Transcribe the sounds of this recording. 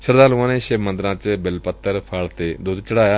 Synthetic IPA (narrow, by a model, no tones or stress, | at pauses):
ʃəɾd̪aːluãːneʃebmə̃nd̪ɾãːt͡ɕebɪlpət̪ːəɾpʰaːɭt̪ed̪uːd̪t͡ʃəɽ̤aːjaː